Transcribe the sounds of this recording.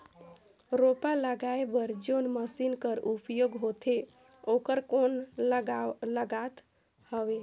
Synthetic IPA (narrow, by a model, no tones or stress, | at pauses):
ɾopaləɡaebəɾd͡ʒonməsinkəɾupjoɡɦot̪ʰe | okəɾkonɡləɡat̪ | həʋe